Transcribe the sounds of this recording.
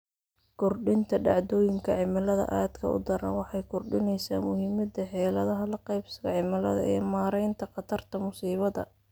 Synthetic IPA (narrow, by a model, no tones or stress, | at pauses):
kʰʊrɖɪnt̪ʰɐɖɑʕd̪ɔːjɪŋkʰɐʕɪmɐlɐðɐ̰ʔaːd̪kʰɐʊ̰d̪ɐɾɐ̰nwɑħɑjkʰʊrɖɪnɛjsaːmʊhiːmɐd̪ɐħɛːlɐðɐɦɐlɐqɛjbsɐɣɐʕɪmɐlɐ̰ðɐ̰ɛːmaːɾɛjnt̪ʰɐqɑt̪ʰɐrt̪ʰɐmʊsiːβɐðɐ̰